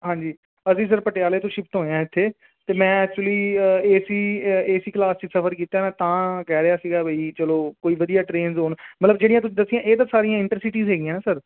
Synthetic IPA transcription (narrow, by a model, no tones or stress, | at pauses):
ɦãːɲd͡ʒiː | əsiːs̬əɾpəʈejaːleːt̪ʊ̃ʃɪpʰt̪ɦoːjãːɪt̪ʰːeː | t̪eːmɛ̃ːɛːk̚t͡ʃuliːəeːsiːeːsiːklaːst͡ʃiːsəfʰəɾkiːt̪aːnãːt̪ãːkɛːɾeaːsiːɡaːbʱəiːt͡ʃəloːkoːiːʋəd̪ijaːʈɾeːnzɦoːnmət̪ləbd͡ʒeːɽij̃ãt̪ʊsĩːd̪əsːijãːʔeːd̪aːsaːɾijãːɪɳʈəɾsɪʈiːzɦeːɡijãːnːsəɾ